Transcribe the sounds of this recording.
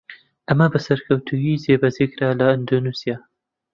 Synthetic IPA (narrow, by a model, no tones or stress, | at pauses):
ʔɐmɐbɐsɐɾkʰɐwt̪ʰujizeːbɐzekɾaːlɐɐnd̪onusijaː